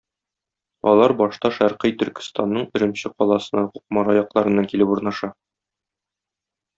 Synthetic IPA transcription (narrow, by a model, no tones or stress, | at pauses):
ɒ̰lˠɑɾbɒʃt̪ɑʃæɾqɤjt̪ɵ̆ɾkɘ̥̆st̪ɑnːɤɴɵ̆ɾɘ̆mɕɘqɒlˠɑsɤ̆nɑquqmɑɾɑjɒqlˠɑɾɤ̆nːɑkilɘpuɾnɑʃɑ